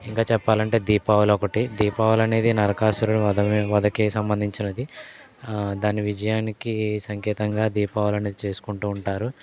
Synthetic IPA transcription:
iŋkaːt͡ʃɛpːaːlɐɳʈe̞ːd̪iːpaːʋɐlɔkɐʈid̪iːpaːʋɐlɐne̞ːd̪inɐɾɐkaːsuɾunɐd̪ɐʋɐd̪ɐkiːsɐmbɐnd̪ʱiɲt͡ʃinɐd̪i | d̪aːniʋid͡ʒɐjaːnikisɐŋkɛːt̪ɐŋɡaːd̪iːpaːʋɐlɐne̞ːd̪it͡ʃe̞ːsu̥kuɳʈuːɳʈaːɾu

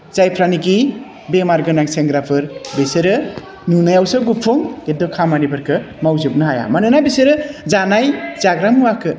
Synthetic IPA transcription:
z̥ajpʰɾaniɡi | bemaɾɡɯnaŋseŋɡɾapʰɯɾbesɯɾɯ | nunajawsɯɡupʰuŋɡedɔkʰamanibɯɾkʰɯmawzɯb̚nɯɦaja̰manɯnajbesɯɾɯzanajzaɡɾamuwakʰɯ

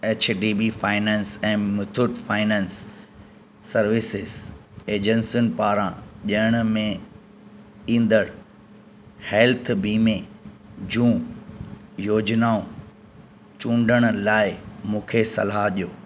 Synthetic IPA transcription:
eːt͡ɕʰɖiːbifaːɪnɛ̃ːnsɛ̃ːmʊt̪ʰʊʈfaːɪnɛ̃ːnsː | ɐɾʋɪsɪzeːd͡ʑənsʊnɪpaːɾãʄɐəɽ̃ʊmẽ | ĩːnd̪əɽ | heːlt̪ʰbiːmẽ | d͡ʑũː | joːd͡ʑnaːõ | t͡ɕũːɳɖʱəɽ̃ʊlaːɪmũːkʰesɐ̰laɦʄijoː

